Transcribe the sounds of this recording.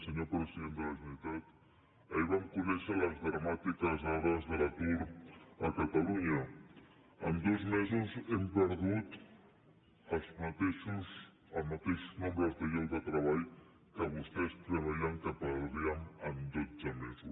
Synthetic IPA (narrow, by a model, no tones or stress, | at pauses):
səɲopɾəsiðend̪əlɐʒunit̪at̪ | əiβamkunɛʃələzðɾɐmat̪ikɐzɔɾəzðəlakuɾəkat̪ɐluɲə | ənd̪ozmezuzempəɾðut̪ | əzmat̪eʃuz | əmat̪eʃuznõmbɾəzðəʎewd̪ət̪ɾɐβaʎ | kəβust̪ɛst̪ɾəβaʎaŋkəpəɾðiəŋənd̪ozəmezus